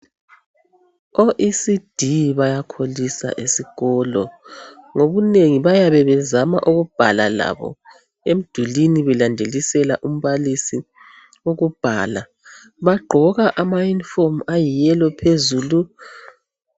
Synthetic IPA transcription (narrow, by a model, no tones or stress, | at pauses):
oʔisid̥ʱiβajakʰolisa̰ʔesiɣɔlɔ̰ŋoβuneŋiβajaβɛβɛzama̰ʔuɣub̥ʱala̰la̰βɔ̰ | em̩d̥ʱuliniβɛlandʱelisɛlaʔum̩βalisi | oɣub̥ʱa̰ːla | βaɡ͡ǃʱɔɣaʔamajinfomajijɛlɔpʰezuːlu